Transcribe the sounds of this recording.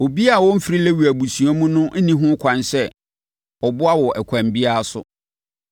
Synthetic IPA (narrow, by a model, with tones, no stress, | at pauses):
o˨bi˦a˦˨wɔ˦m̩˦fɾi˦lɛ˦wu˨æ˨bu˨sũ˨ɔ˦mũ˦nʊ̃˦nĩ˦ɦʊ̃˦kʷʰã˨nsɛ˦ | ɔ˨bʊ˦a˦wɔ˨ʔɛ˨kʷʰã˨mbi˦a˦a˦sʊ̰˦